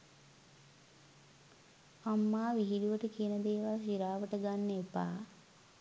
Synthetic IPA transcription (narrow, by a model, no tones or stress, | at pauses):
amːaːʋiɦiluʋəʈəkijənəd̪eːʋaːsiɾaːʋəʈəɡanːepa̰ː